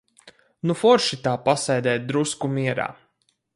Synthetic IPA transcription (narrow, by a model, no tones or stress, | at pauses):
nufɔɾʃit̪aːpasɛjd̪ɛːt̪̚d̪ɾuskumiɛɾa̰ː